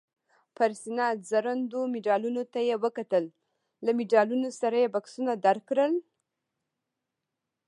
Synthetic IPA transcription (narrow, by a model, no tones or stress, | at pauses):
paɾsinɑzaɾand̪omɪɖɑlunot̪ajewəkat̪əlː | amɪɖɑlunosaɾajebaksunad̪aɾkɾəl